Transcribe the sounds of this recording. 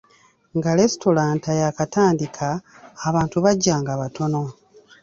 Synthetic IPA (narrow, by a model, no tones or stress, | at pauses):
ŋɡale̞sto̞laːntajakataːndikʰaː | βaːntuβaɟːaːŋɡaβatʰo̞no̞